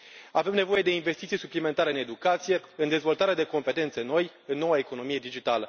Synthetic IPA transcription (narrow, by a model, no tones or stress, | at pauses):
ave̞mne̞vo̞je̞d̪e̞inve̞st̪it̪sijsuplime̞nt̪aɾeɨne̞d̪ukat̪sije̞ɨnd̪e̞zvo̞lt̪aɾead̪e̞ko̞mpe̞t̪e̞nt̪səno̞j | ɨnːo̞waeko̞no̞mije̞d̪id͡ʒit̪alə